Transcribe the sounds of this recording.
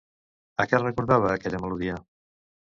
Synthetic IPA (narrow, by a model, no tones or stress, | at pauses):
əkɛrəkuɾðaβəːkɛʎəməluðiə